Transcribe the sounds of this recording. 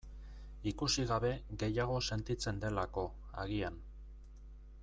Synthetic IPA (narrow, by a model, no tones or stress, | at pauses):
ikusiɣaβe̞ɣe̞jaɣ̞o̞se̞nt̪it͡se̞nd̪e̞lako̞ | a̰ɣian